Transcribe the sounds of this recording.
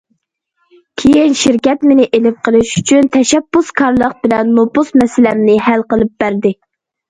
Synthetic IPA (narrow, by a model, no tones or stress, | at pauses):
kʲʰejinʃiɾkʲɛt̪mɪnɪʔelɪp̚qʰəlˠɨʃyt͡ʃʰynt̪ʰɛʃɛb̥ːuskʰɑɾlˠəq̚bɪlɛnːopʊsmɛsɪlɛmnɪɦælqəlˠɨp̚b̥æɾd̪ɪ